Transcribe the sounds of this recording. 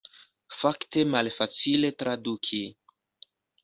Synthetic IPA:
fakte̞malfat͡sile̞tɾadukʰi

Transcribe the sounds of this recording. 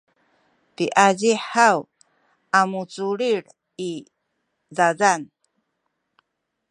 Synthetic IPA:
piʔaziħaw | amut͡suɾiɾ | i | zazan

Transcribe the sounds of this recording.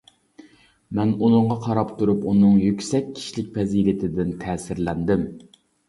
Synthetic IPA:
mɛnunɨɴʁɑqʰɑɾɑpt̪uɾupunɨŋjykʲsɛkʲʰːi̥ʃilɪk̚ʲpɛzilɪt̪ʰɪd̪ɪnt̪ʰɛːsɪɾlɛnd̪ɪm

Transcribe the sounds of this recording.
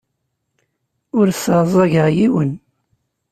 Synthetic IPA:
ʊɾsəɾzˤɑʝəʁjiwən

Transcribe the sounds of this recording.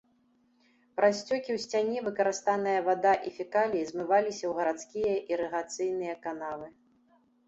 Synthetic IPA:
pɾʔasʲt͡sʲɔkʲiwsʲt͡sʲanʲɛvɨkɐɾɨst̪anɨjɐvad̪aʔifʲikalʲizʲmɨvalʲisʲɐwɣɐɾat̪skʲijɐʔiɾɨɣat̪sɨjnɨjɐkanavɨ

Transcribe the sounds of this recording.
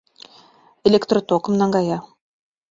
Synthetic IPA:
elʲekt̪rot̪okɤ̆mnɑŋɡɑjɑ

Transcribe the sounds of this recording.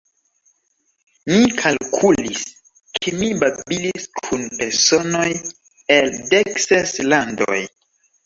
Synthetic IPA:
mikʰalkʰulis | kʰemibabiliskʰunpe̞ɾso̞noj | eldekseslando̰j

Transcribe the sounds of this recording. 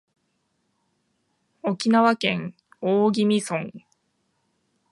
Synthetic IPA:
o̞kʲinaβakẽŋ | oːɡʲimʲisõ̞ŋ

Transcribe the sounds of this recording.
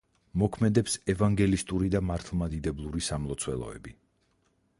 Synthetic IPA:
mɔkʰmɛd̪ɛpsɛvaŋɡɛlist̪ʼuɾid̪amaɾt̪ʰlˠmad̪id̪ɛblˠuɾisamlˠɔt̪sʰwɛlˠɔ̰ɛ̰bi

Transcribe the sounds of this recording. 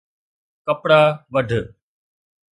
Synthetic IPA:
kəpɽaːʋəɖʱ

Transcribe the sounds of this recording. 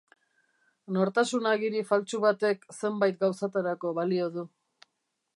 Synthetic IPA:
no̞ɾt̪asunaɣiɾifalt͡suβat̪e̞kse̞mbajt̪̚ɡawsat̪aɾako̞βalio̞ðu

